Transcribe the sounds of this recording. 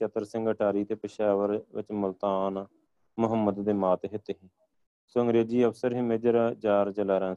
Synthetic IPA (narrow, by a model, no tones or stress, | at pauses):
t͡ʃət̪əɾsɪ̃ŋɡəʈʰaːɾiːt̪eːpəʃaːʋəɾʋɪ̰t͡ʃmʊlt̪aːn | mʊɦəmːəd̪ːeːmaːt̪ɦɪt̪eːɦɛ̃ː | soɦə̃ŋɡɾeːd͡ʒiːəfsəɾɦɪmeːd͡ʒəɾad͡ʒaːɾt͡ʃəlaːɾɛ̃ː